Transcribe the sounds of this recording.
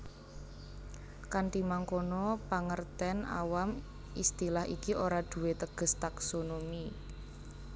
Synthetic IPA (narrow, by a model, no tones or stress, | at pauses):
kaɳʈimaŋkonɔpaŋərt̪ɛna̰wam | ist̪ilahikiʔoɾad̪̥ṳwet̪əɡ̥ə̤st̪aksonomi